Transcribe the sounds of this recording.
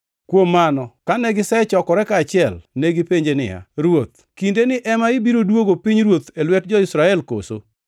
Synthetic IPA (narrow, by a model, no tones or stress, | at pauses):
kwomːanɔkanɛɡɪsɛt͡ʃɔkɔɾɛkaːt͡ʃɪɛlneɡɪpeɲd͡ʒenɪ̰ja̰ɾwot̪̚ | kindenɪʔɛmaɪbiɾodwoɡopiɲɾwot̪elwɛt̚d͡ʒɔɪsɾaɛlko̰so̰